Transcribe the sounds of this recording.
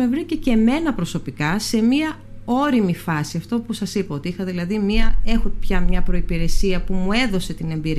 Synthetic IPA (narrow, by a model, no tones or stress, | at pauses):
mevɾicece̞me̞nɐpɾo̞so̞pikɐse̞miɐ | o̞ɾimifɐsiɐft̪o̞pusɐsipɐo̞t̪iixɐðilɐðimiɐe̞xopçɐmɲɐpɾo̞ipiɾe̞siɐpumue̞ðo̞se̞t̪ine̞mbiɾ